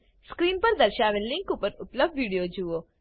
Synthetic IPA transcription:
skɾiːnpəɾd̪əɾʃaʋenlɪ̃ŋkupəɾʊpləb̚d̪ʋiɽijod͡ʒuo

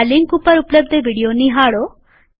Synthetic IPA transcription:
liŋkupəɾupləb̚d̪ʱeʋiɽijoniɦaɭo

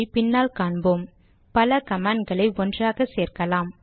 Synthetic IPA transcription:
pɪnːaːlkaːɳboːm | pɐlɐkɐmaːɳɖɡɐɭɐɪɔndraːɣɐseːrkɐlaːm

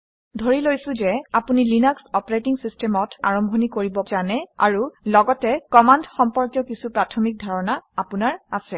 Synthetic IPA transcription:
dʱoɹilojsʊ̃zɛapunilinɔksɔpɔɹetiŋsistʰɛmɔta̰ɹɔmbʱɔnikoɹibɔzanɛa̰ɹulɔɡɔtɛkɔmandxɔmpɔɹkjɔkisupɹatʰɔmik̚dʱaɹɔnaapunaɹasɛ

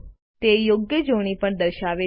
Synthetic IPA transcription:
t̪ejoɡjəd͡ʒoɽ̃ipəɳd̪əɾʃaʋe

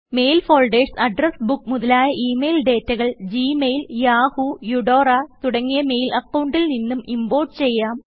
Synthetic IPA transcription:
me̞jlfoːɭɖeːʈsɐɖrɐsbukːmuðɐlaːjɐʔiːme̞jlɖe̞ːtːɐɣɐɭd͡ʑiːmejljaːhujuɽo̞ːrɐt̪uɽɐŋːijɐme̞jlʔɐkːɐwɳɖilninːumimbo̞ːrʈt͡ɕe̞jːaːm

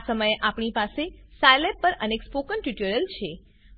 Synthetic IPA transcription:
səməjeʔapɳ̃ipasesajlepːəɾənekspokənʈiʈəɾəlt͡ʃʰe

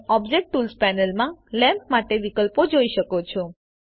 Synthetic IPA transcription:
ɔbd͡ʒek̚ʈʈːulspɛnəlmãlɛ̃mp̚maʈeʋikəlpod͡ʒoiʃəkot͡ʃʰɔ

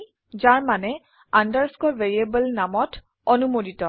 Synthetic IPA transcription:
zaɹmanɛ | andaɹskɔlveɹiebəlnamɔt | ɔnumoditɔ

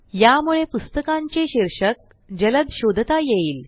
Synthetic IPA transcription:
jamuɭepust̪əkãɲt͡ɕeɕiɾʂək̚ | d͡ʑələd̪ɕod̪ʱt̪ajeiːl

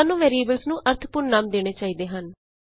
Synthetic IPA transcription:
nːũːʋɛːɾieːbəlsnũːʔəɾt̪ʰpʊɾnːaːmd̪eːɽ̃eːt͡ʃaːiːd̪eːɦən

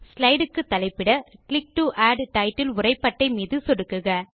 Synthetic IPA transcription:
slɐɪɽɯkːɯt̪ːɐlɐɪpːɪɽɐklɪk̚ʈuʔaːɖʈɐɪʈːɪlʊrɐɪpːɐʈːɐɪmiːðɯsɔɽɯkːɯɣɐ

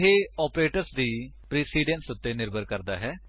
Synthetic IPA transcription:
ɦeːɔːpɾeːʈəɾsd̪iːpɾiːsiːɖẽnsʊt̪ːeːnɪɾbəɾkəɾd̪aːɦɛː

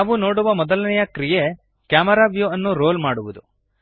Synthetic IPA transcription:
aːʋuno̞ːɽuʋɐmɔd̪ɐlɐnɛjɐkɾije | kjaːmɐɾaːʋjuɐnːuɾo̞ːlmaːɽuʋud̪u

